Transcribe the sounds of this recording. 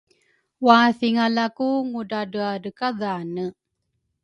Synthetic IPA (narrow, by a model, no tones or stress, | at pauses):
waθiŋalakuŋudadəadəkaðaːnə